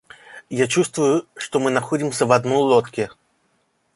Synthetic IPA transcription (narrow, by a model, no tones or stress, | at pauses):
jat͡ɕust̪vʊjʊʂt̪ɔmɨnaxɔdʲimsʲɐvɐd̪nɔjlˠɔt̪kʲɪ